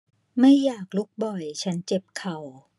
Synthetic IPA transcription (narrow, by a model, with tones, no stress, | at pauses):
ma˥˩jːaː˨˩k̚lu˦˥k̚bɔ˨˩jt͡ɕʰa˦˥nt͡ɕe˨˩p̚kʰa˨˩w